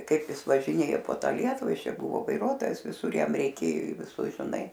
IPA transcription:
ˈkɐɪp ˈjɪs ʋɐʒʲɪˈnʲeːjoː poː ˈtɑː ˈlʲiɛtʊʋɐ ˈjɪs ˈt͡ʃʲɛ ˈbʊʋoː ʋɐɪˈruɔtoːjɛs ʋʲɪˈsʊr ˈjɛm rʲɛɪˈkʲeːjoː iː ʋʲɪˈsʊs ʒʲɪˈnɐɪ

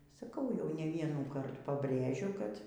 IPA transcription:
sɐˈkɐʊ jɛʊ nʲɛ ˈʋʲiɛnuːkɐrt pɐbʲˈrʲeːʒʲʊ kɐt

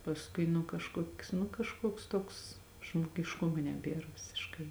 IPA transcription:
pɐsˈkʊɪ nʊ kɐʃˈkuɔkʲs nʊ kɐʃˈkuɔks ˈtuɔks ʒmoːɡʲɪʃˈkʊmoː nʲɛˈbʲeːr ʋʲɪsʲɪʃˈkɐɪ

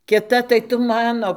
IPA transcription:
kʲɪˈtɐ tɐɪ ˈtʊ ˈmɑːnoː

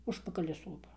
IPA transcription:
ˈʊʃpɐkɐlʲɪ ˈsoːpɐ

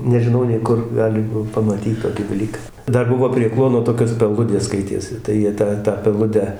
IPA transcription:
nʲɛʒʲɪˈnɐʊ nʲɛɪ ˈkʊr ˈɡɑːlʲɪmɐ pɐmɐˈtʲiːt ˈtoːkʲɪ dɐˈlʲiːkɐ ˈdɐr ˈbʊʋoː pʲrʲiɛ ˈklˠuɔnoː ˈtoːkʲoːs pʲɛˈlˠʊdʲeːs ˈskɐɪtʲeːsʲɪ tɐɪ jiɛ ˈtɑː ˈtɑː pʲɛˈlˠʊdʲæː

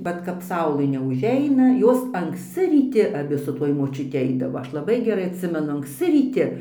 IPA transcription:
ˈʋɐt kɐp ˈsɐʊlˠɘ nʲɛʊˈʒʲɛɪnɐ ˈjoːs ɐŋksʲˈt͡sʲɪ rʲiːˈtʲɪ ɐˈbʲɪ sʊ ˈtuɔj moːt͡ʃʲʊˈtʲɪ ˈɐɪdɐʋoː ˈɐʃ lˠɐˈbɐɪ ɡʲɛˈrɐɪ ɐtʲˈsʲɪmʲɛnʊ ɐŋkˈsʲt͡sʲɪ rʲiːˈtʲɪ

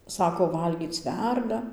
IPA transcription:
ˈsɑːkoː ˈʋɐlʲɡʲiːt͡s ˈʋʲɛrdɐ

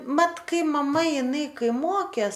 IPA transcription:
ˈmɐt ˈkɐɪ mɐˈmɐ ɪˈnɐɪ ˈkɐɪ ˈmoːkʲeːs

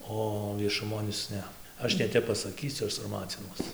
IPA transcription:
ˈoː ʋʲiɛʃʊˈmoːn ˈɪs ˈnʲɛ ˈɐʃ nʲɛˈtʲɛp pɐsɐˈkʲiːsʲʊ ˈɐʃ sɐrˈmɑːt͡sʲɪnuɔs

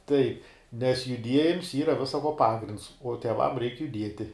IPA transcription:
tɐɪp nʲɛs jʊˈdʲiɛjɪms ˈiːrɐ ʋʲɪsɐ koː ˈpɑːɡrʲɪnts uɔ tʲiɛˈʋɐm rʲɛɪk jʊˈdʲiɛtʲɪ

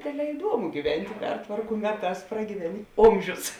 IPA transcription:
ˈdʲeːdʲˌlʲɛː ɪˈduɔmʊ ɡʲiːˈʋʲɛnʲtʲɪ ˈpʲɛrtʋɐrkʊ ˈmʲæːˌtɑːs prɐɡʲiːˈʋʲæːnʲɪ ˈoːmʲʒʲʊs

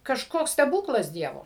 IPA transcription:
kɐʃˈkoːks sʲtʲɛˈbuːklˠɐs ˈdʲiɛʋoː

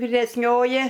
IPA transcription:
ʋʲɪrʲɛsʲˈnʲoːjɪ

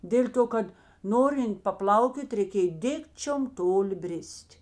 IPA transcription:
ˈdʲeːlʲ ˌtoː ˈkɐt ˈnoːrʲɪnt pɐˈplˠɐʊkʲoːtʲ rʲɛɪˈkʲeːj ˈdʲɪkt͡ʃʲoːm ˈtoːˌlʲɪ ˈbʲrʲɪsʲtʲ

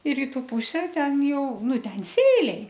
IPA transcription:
ɪ ˈrʲiːtʊ ˈpʊsʲɛ ˈtʲɛn ˈjɛʊ ˈnʊ ˈtʲɛn ˈsʲeːlʲɛɪ

